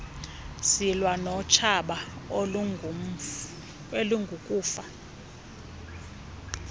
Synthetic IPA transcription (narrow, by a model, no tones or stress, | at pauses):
silwanɔt͡ʃʰaɓa | eluŋɡʱukʼuːfa